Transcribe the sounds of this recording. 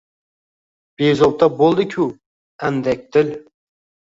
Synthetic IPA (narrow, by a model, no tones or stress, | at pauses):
b̥ezop̚t̪ʰɑbolˠd̪ɪkʲʰʊ | ænd̪ɛk̚ʲd̪ɪl